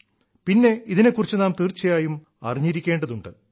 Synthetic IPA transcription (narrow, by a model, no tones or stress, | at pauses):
pinːe̞iðine̞kːurit͡ɕːɨnaːmt̪iːrt͡ɕːɐjaːjum | ɐ̰riɲːiɾikʲːeːɳɖɐðuɳɖɨ